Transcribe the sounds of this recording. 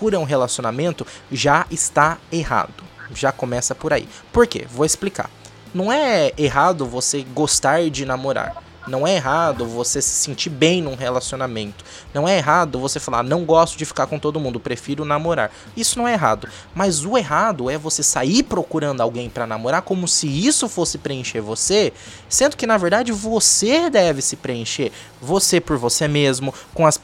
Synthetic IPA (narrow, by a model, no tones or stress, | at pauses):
kuɾɐũɦelasionamẽnt̪ʊʒaɪst̪aeɦa̰d̪ʊʒakomɛsɐpoɾaḭpoɾkḛvoesplika̰ | nɐ̃w̃ɛeɦad̪ʊvoseɡost̪aɾd͡ʒɪnamoɾa̰ɾ | nɐ̃w̃ɛeɦad̪ʊvosesɪ̥sẽnt͡ʃibẽj̃nũɦelasionamẽnt̪ʊ̥ | nɐ̃w̃ɛeɦad̪ʊvosefala̰ɾnɐ̃w̃ɡɔst̪ʊd͡ʒɪfi̥kaɾkõt̪od̪ʊmũnd̪ʊpɾefiɾʊnamoɾa̰ɾ | isʊnɐ̃w̃ɛeɦa̰d̪ʊ | mɐzʊeɦad̪ʊɛvosesaiɾpɾokuɾɐ̃nd̪ʊawɡẽj̃pɾɐnamoɾaɾkõmʊsɪisʊfosɪpɾeẽʃeɾvose | sẽnd̪ʊkɪnaveɾd̪ad͡ʒɪvosed̪ɛvɪsɪpɾeẽʃeɾ | vosepʊɾvosemezmʊkõɐs